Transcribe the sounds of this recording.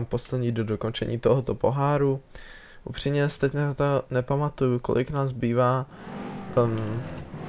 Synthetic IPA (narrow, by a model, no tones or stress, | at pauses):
mpo̞slɛd̪ɲiːdodoko̞nt͡ʃɛ̰ɲḭːt̪o̞ɦot̪opo̞ɦaːɾu | ʔṵpr̝̥imɲɛsɛ̥t̪ɛcnat̪onɛpamat̪ujuko̰lʔɪknaːzbiːvaː | m